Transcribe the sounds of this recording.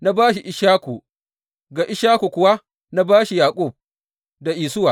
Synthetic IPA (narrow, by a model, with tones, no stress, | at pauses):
na˦baː˦ʃi˨ʔɪ˨ʃaː˦kʷu˨ | ɡa˨ʔɪ˦ʃaː˦ku˨kʷʊ˨wa˦ | na˦baː˦ʃi˨jaː˨kʼʊ˦˨b̚ | da˨ʔiː˨sʊ˦wa˨